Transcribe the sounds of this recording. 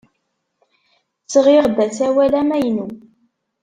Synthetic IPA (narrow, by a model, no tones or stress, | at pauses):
t͡sːʁɪʁd̪æsæwælæmæjnu